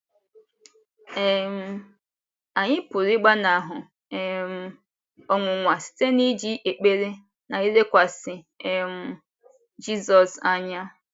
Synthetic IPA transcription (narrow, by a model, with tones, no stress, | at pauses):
e˨m̩˦ | a˨ɲɪ˦pʊ˨ɾi˦ɡ͡ba˦na˨ɦʊ˨ | e˨m̩˦ | ɔ˨ŋʷʊ˨ŋʷa˨si̥˨te˦ni˦d͡ʒi˦ʔe˨k͡pe˦ɾe˦ | na˨i˦le˦kʷa˨sɪ˨ | e˨m̩˦ | d͡ʒi˦zɔ˨sa˦ɲa˦